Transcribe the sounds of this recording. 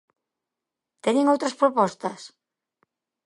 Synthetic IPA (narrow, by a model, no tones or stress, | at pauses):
t̪eɲeŋowt̪ɾɐspɾopɔst̪ɐs